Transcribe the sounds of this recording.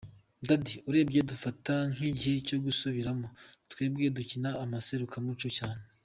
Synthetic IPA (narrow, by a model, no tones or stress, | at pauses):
dadiuɾe̞ːbɡedufataŋ̥iɟihe̞co̞ɡusuβiɾamotwe̞ːb̚ɡe̞ducinaːmase̞ɾukamut͡ʃocaːne